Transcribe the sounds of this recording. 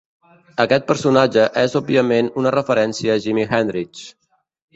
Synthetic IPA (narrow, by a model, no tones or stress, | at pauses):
əkɛt̪̚pəɾsunad͡ʒəʔɛzɔb̚iəmenunərəfəɾɛnsiəːʒimixɛnd̪ɾit͡ʃ